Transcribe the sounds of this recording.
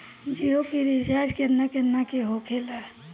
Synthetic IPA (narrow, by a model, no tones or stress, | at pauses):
d͡ʒiokiɾid͡ʒad͡ʒkeɾnakeɾnakeɦokʰela